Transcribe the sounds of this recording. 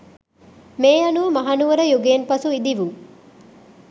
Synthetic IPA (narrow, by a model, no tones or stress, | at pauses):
meːɐnuʋəmɐɦɐnuʋɐɾəjuɡeːnpɐsuid̪iʋu